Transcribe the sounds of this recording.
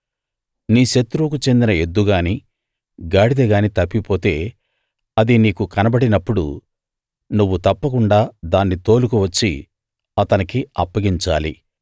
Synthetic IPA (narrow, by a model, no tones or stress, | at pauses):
niːʃet̪ːɾuːkut͡ʃe̞nd̪inɐed̪ːuɡaːniː | ɡaːɽid̪ɐɡaːnit̪ɐpːipo̞ːt̪e̞ː | ɐd̪iniːkukɐnɐbɐɽinɐpːuɽṵ | nuʋːut̪ɐpːɐkuɳɖaːd̪aːnːit̪o̞ːlukuʋɐt͡ʃːḭ | ɐt̪ɐnikiɐpːɐɡiɲt͡ʃaːlḭ